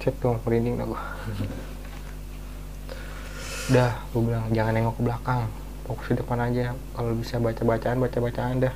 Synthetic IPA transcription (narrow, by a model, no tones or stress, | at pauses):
t͡ʃɛt̪uŋɾinɪŋda̰ɡu | dahɡubilaŋd͡ʒaŋanɛŋɔkəblakaŋ | pokʊ̥sidəpanad͡ʒa | kalobisabat͡ʃabat͡ʃaːnbat͡ʃabat͡ʃaːndah